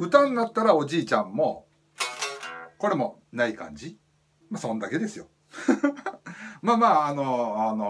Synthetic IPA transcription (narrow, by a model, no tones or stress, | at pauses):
ɸɯ̟t̪ãnːat̪ːaɾao̞ʑiːt͡ɕãmːo̞ | ko̞ɾe̞mo̞ | naikã̰ɲd͡ʑi | masõ̞nd̪ake̞d̪e̞sɨjo | maːmaːnoano